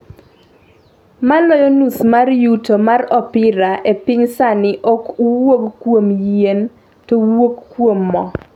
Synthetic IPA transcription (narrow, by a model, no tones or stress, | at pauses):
malɔjɔnusmarjutomarɔpɪɾaʔepɪɲsanɪʔɔkuwoɡkːwomjen | towoɡkːwomːɔ